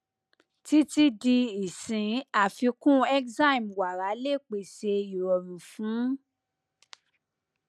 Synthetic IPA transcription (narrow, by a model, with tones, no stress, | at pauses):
ti˦ti˧di˧i˨sĩ˨˦a˦˨fi˧kũ˦ɛ˦kza˦ĩ˨mwa˨ɾa˨˦le˦˨k͡pe˨se˧i˨ɾɔ˨ɾũ˨fũ˨˦